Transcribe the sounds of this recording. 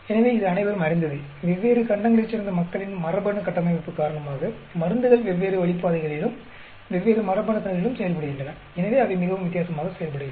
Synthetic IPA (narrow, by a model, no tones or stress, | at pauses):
ɛnɐʋeːɪðɯɐnɐɪʋɐɾɯmɐɾɪnd̪ɐðɯʋɛʋːeːɾɯkɐɳɖɐŋɡɐɭɪt͡ʃːɪɾɯnd̪ɐmɐkːɐɭɪnmɐrɐbɐɳɯkːɐʈːɐmɐɪʋɐpːɯkːaːɾɐɳɐmaːɣɐ | mɐɾɯnd̪ɯɣɐɭʋɛʋːeːɾɯʋɐɭɪpːaːðɐɪɣɐɭɪlɯm | ʋɛʋːeːɾɯmɐɾɐbɐɳɐt̪ːɐnɐlɪlɯmsɛjɐlpɐɽɯɣɪndrɐnɐ | ɛnɐʋeːɐʋɐɪmɪɣɐʋɯmʋɪt̪ːɪjaːsɐmaːɣɐsɛjɐlpɐɽɯɣɯð